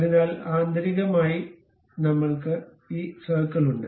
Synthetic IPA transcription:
ɐðinaːlaːnd̪ʱɐɾiɣɐmaːji | nɐmːɐɭkɨ | iːsɐːkːɐɭuɳɖɨ

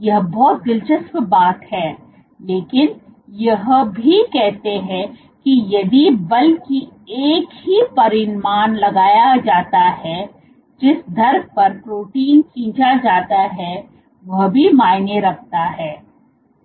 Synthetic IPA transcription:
jɐɦbɔːt̪̚d̪ɪlt͡ʃəspbaːt̪hɛː | leːkɪnjɐɦbʱikɛɦt̪eɦɛ̃ | kijɐd̪ibɐlkieːkɦipɐɾɪnmaːnlɐɡaːjad͡ʒaːt̪aɦɛ | d͡ʒɪsd̪ʱɐɾpɐɾpɾoːʈiːnkʰĩːt͡ʃad͡ʒaːt̪aɦɛ | ʋɐɦbʱimaːɪneɾɐk̚ʰt̪aɦɛː

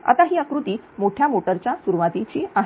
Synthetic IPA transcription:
a̰t̪aɦiːakɾut̪iː | moʈʰjamoʈəɾt͡ɕjasuɾuʋat̪it͡ɕiːaɦ

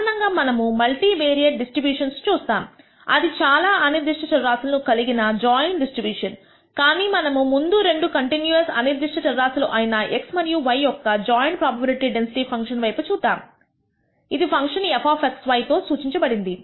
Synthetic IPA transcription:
ɐnɐŋɡaːmɐnɐmumɐlʈiːʋeːɾijɐʈɖisʈɾibjuːʂɐnst͡ʃuːst̪aːm | ɐ̰d̪it͡ʃaːlaːɐniɾd̪iʂʈɐt͡ʃɐɾːaːsulɐnukɐliɡinɐd͡ʒaːjɳʈɖisʈɾibjuːʂɐn | kaːniːmɐnɐmumund̪uɾe̞ɳɖukɐɳʈinjuɐsɐ̰niɾd̪iʂʈɐt͡ʃɐɾːaːsuluʔɐjinɐeksmɐnjuːʋɐjːɔkːɐd͡ʒaːjɳʈ̚pɾaːbɐbɐɾiʈiɖe̞nsiʈiːpʰɐŋkʂɐnʋɐjput͡ʃuːd̪aːm | id̪ipʰɐŋkʂɐnepʰaːfeksʋɐjt̪o̞ːsuːt͡ʃiɲt͡ʃɐbɐɽind̪i

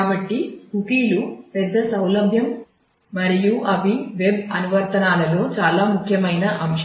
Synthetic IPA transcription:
bɐʈːikukiːlupɛd̪ːɐsɐwlɐbʱjɐm | mɐɾijuʔɐʋiʋebɐnuʋɐɾt̪ɐnaːlɐlo̞ːt͡ʃaːlaːmukʰjɐmɐjnɐʔɐmʃ

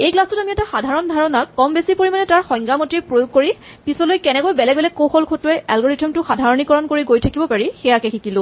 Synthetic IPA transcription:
ejklastʊtamiɛtaxadʱaɹɔndʱaɹɔnakːɔmbesipoɹimanɛtaɹxɔ̃jŋɡamɔtiepɹojoɡ̚koɹi | pisɔlojkɛnɛkojbɛlɛɡbɛlɛkːoxɔlkʰotʊɛʔɛlɡɔɹitɔmtʊxadʱaɹɔnikɔɹɔnkoɹiɡojtʰakibɔpaɹixɛjakɛxʰikilʊ̃

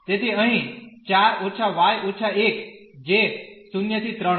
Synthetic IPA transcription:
t̪eːt̪ʰeə̃ɦĩt͡ʃaːɾoːt͡ʃʰaʋaːjʔot͡ʃʰaeːk | d͡ʒeːksunjət̪ʰit̪ɾə̃

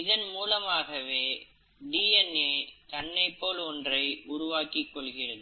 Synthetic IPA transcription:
ɪðɐnmuːlɐmaːɣɐʋeː | ɖiːɛneːt̪ɐnːɐɪpːoːlɔndrɐɪʊɾʊʋaːkɪkːɔɭɣɪrɐðɯ

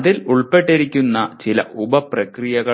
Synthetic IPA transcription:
ðiluɭpe̞ʈːiɾikʲːunːɐt͡ɕilɐ̰ʔubɐprɐkrijɐɣɐ

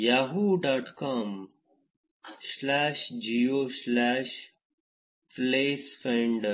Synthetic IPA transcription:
jaːɦuɖaːʈkaːm | slaːʃd͡ʒijoslɛːʃ | pleːsfẽɳɖə

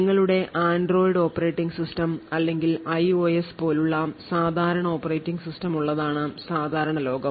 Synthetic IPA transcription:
ŋːɐɭuɽe̞ʔʔaːnɖro̞ːjɖo̞ːpːɐreːʈːiŋɡsistɐmɐlːe̞ŋɡilɐjo̞ːjespo̞ːluɭːɐsaːd̪ʱaːɾɐɳɐo̞ːpːɐrejʈːiŋɡsistɐmuɭːɐðaːɳɨsaːd̪ʱaːɾɐɳɐlo̞ːɡɐm

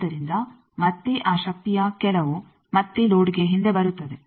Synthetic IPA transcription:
ɐɾind̪ɐ | mɐt̪ːiʔaːʃɐk̚t̪ijɐkɛlɐʋu | mɐt̪ːiloːɽiɡeɦind̪e̞bɐɾut̪ːɐd̪e̞

